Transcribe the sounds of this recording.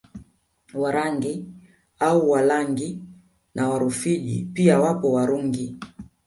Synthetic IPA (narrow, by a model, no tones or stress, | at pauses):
waɾaŋɡi | auwalaŋɡi | nʔawaɾufiʄḭpiawapɔwaɾuŋɡi